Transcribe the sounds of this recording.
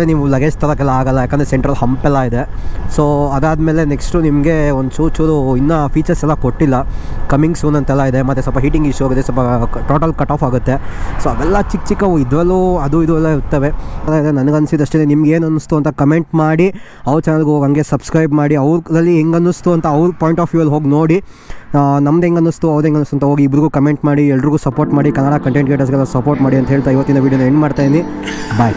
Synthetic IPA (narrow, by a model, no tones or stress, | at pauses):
ɾeniʋulɐɡed͡ʒt̪ʰɐɾɐk̬ɛlːɐaːɡɐlːɐjaːkːend̪ɾeseɳʈɾɐlɦɐmpɛlːaid̪esoːɐd̪aːd̪meːle̞neksʈunimɡe̞ond̪suːt͡ʃuɾuinːɐpʰiːt͡ʃɐɾsɛlːɐkoʈːilːɐkɐmiŋɡsuːnɐnt̪ɛlːɐid̪emɐt̪ːesɔlpɐɦiːʈiŋɡiʃuaːɡit̪ːesɔlpɐʈoːʈɐlkɐʈːaːpaːɡut̪ːesoɐd̪ɛlːɐt͡ʃik̚t͡ʃikɐʋid̪ʋɐlːuɐd̪uid̪uɛlːɐiɾt̪ɐʋe̞d̪ɐd̪enɐnɐɡɐnːsid̪ɐʂʈenenimɐɡeːnɐnːust̪uɐnt̪ɐkɐme̞ɳʈmaːɽi | ɐʋɾt͡ʃɛnɐlɡuoːɡɐŋɡe̞sɐbskɾɐjbmaːɽiɐʋɾdɐlːiɦeŋɡɐnːust̪uɐnt̪ɐɐʋɾupoːjiɳʈaːfʰjuɐlɦo̞ːɡno̞ːɽi | nɐmɐd̪eŋɡɐnːust̪uɐʋd̪eŋɡɐnːust̪ɐnt̪ɐɦoːɡiːbɾiɡuːkɐme̞ɳʈmaːɽiɛlːɐɖɾiɡuːsɐpoːɾʈmaːɽikɐnːaːɽɐkɐɳʈeɳʈ̚ɡeːʈ̬ɐɾs̬ɡɛlːɐsɐpoːɾʈmaːɽiɐnt̪ɐɦeːɭt̪aːiʋɐt̪ːind̪ɐʋiːɖjonueɳɖmaːɽt̪aːjnibaːj